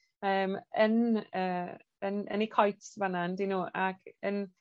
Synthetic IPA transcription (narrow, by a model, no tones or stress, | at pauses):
əːmənəː | ənə̰nikʰɔjtvanandinuːʔakʰən